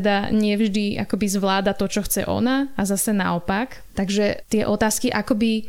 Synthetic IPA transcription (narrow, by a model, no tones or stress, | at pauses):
d̪aɲɪɛvʒd̪iʔa̰kɔbizʋlaːd̪at̪ɔt͡ʃɔxt͡sɛ̰ʔɔ̰naazasɛna̰ɔpak | t̪aɡʒɛt̪ɪɛʔɔt̪aːskiʔakɔbi